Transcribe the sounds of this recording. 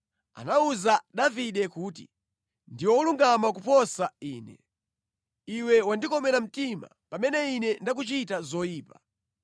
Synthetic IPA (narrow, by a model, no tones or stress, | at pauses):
a̰nauzaɗaviɗɛkuːtḭ | ndiwɔluŋɡamakupɔsaiːnɛ̰ | iwɛwandikɔmɛɾam̩tima̰pamɛnɛinɛndak̬ut͡ʃitazɔjiːpa